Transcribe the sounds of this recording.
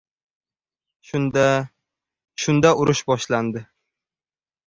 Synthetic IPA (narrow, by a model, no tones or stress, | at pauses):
ʃʊnd̪aʊɾʊʃbɒʃland̪ɪ